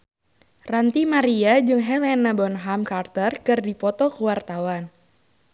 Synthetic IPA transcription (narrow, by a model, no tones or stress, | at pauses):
rant̪imaɾiad͡ʒɨŋɦɛlɛnabɔnɦamkart̪ərkɨrdipɔt̪ɔkuwart̪awan